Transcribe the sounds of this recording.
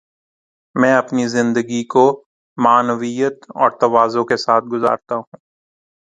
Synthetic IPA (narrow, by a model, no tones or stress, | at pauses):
mɛ̃ːɐpnizɪ̃nd̪əɡiko | maːnʋijət̪ɔ̰ːɾt̪ɐʋaːzõkesaːt̪̚ʰɡʊza̰ːɾt̪aɦũː